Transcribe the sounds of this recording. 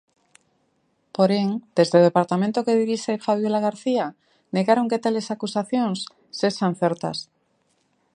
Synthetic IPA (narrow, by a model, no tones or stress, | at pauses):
poɾeŋd̪̥e̞zðeð̞epaɾt̪amẽnt̪okeðiɾiʃefaβ̞jelaɣ̞aɾθia | neɣaɾoŋket̪ale̞sakusaθjõnsː | eʃan̟θeɾt̪a̰s